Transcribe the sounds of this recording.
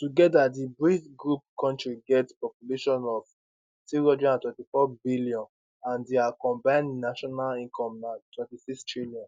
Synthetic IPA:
tuɡɛdadibɹitɡɹup̚kʰɔ̃ntɹiɡɛtspɔpjuleʃɔ̃nɔv | tiɹɔd͡ʒĩnãntwɛ̃ntifɔbilijɔ̃n | ãndeakɔ̃mbãɪ̃nnaʃɔnalĩŋkʰɔ̃mnatʰwɛ̃ntisikstɹiljɔ̃n

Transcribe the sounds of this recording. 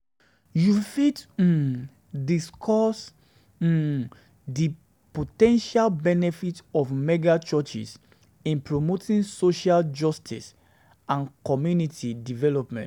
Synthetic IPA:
jufit̩ | diskʰɔs̩ | di | potɛ̃nʃalbɛnɛfitɔfmɛɡat͡ʃɔt͡ʃḭs | ĩnpɹomotʰĩnsoʃald͡ʒɔstʰḭs | ãnkɔmjunitʰidivɛlɔpmɛ̰̃nt

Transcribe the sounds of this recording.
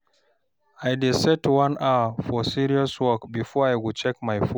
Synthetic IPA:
ʔajdɛsɛtwãnafɔsiɾiɔswɔkbifɔajɡut͡ʃɛkmajfɔ

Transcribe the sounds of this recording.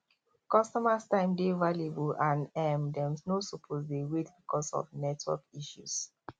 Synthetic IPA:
kɔstɔmastãɪ̃mdevalebuãnɛmdɛ̃msnosopʰozdeɹedbikɔsɔ̰vnɛtʰwɔ̰kiʃṵs

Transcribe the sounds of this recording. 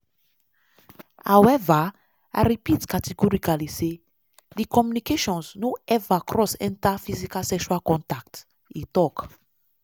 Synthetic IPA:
awɛva | a̰ɾipit̪kat̪iɡuɾikalise | likɔmunikeʃɔ̃nznuɛvakɾɔsɛ̰̃nt̪afizikasɛkswalkɔ̃nt̪ak̚t̪ | it̪ɔk

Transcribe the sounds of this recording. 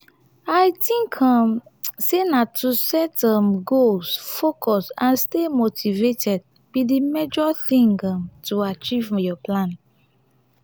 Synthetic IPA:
aɪtĩŋkʰãmsenatʰusɛtãmɡolsfokʰɔsãnstemotivetʰɛd̚ | bidimed͡ʒɔθĩŋɡãmtʰuat͡ʃivɔjɔplãn

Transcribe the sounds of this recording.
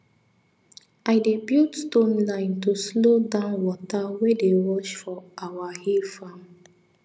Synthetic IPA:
aɪdebjutstõnlãɪ̃ntuslodãʊnwɔtawedewɔt͡ʃfɔʔawahifãn

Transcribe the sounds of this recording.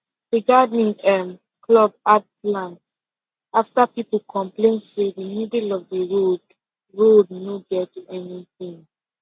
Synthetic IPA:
diɡadnĩŋɛm | kʰlɔb̚ad̚plãnt | aftapipəl̩ˠkʰɔ̃mplẽnseðəmidlɔvðəɹod | ɹodnoɡɛtɛniθĩŋ

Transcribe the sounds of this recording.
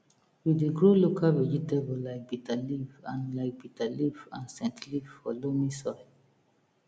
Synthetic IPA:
wideɡɹolokʰalvɛd͡ʒitebəlaɪk̚bitʰalivãnlaɪk̚bitalivã̰nsɛ̃ntlivfɔlomisɔɪ

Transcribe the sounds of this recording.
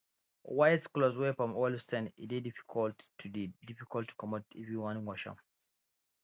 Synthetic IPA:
wajtklɔzwefɹɔ̃mɔlstɛ̃nitidifi̥kʰɔltʰːudidifikʰɔltʰːu̥kɔmotɛvɹiwãnĩnwɔʃã̰m

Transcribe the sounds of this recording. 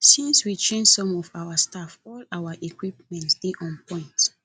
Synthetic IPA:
sĩnswit͡ʃẽnd͡ʒsɔ̃mɔvawəstafɔlawəʔekwip̚mɛ̃ntsd̥eʔɔ̃npɔ̃ɪ̃nt

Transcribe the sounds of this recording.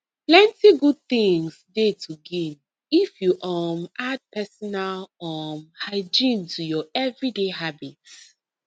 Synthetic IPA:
plɛ̃ntiɡud̚θĩŋsdetʰuɡĩn | ifjuʔɔmad̚pʰɛsɔnalɔmhaɪd͡ʒĩntʰujɔɛvɹideɦabit

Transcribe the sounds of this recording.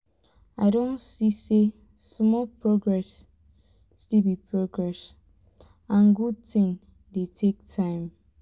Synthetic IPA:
aɪdõnsise | smɔlpɹoɡɹɛsː | tilbipʰɹoɡɹɛs | ãnɡud̚tĩŋ | detʰek̚tʰãɪ̃m

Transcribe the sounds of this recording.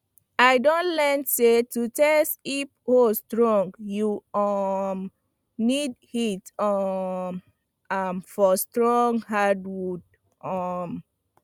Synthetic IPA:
aɪdõntlɛnsetutɛstiphostɹɔ̃ŋɡjuɔm | nid̚hitɔm | amfɔstɹɔ̃ŋɡhadwud̚ | ɔm

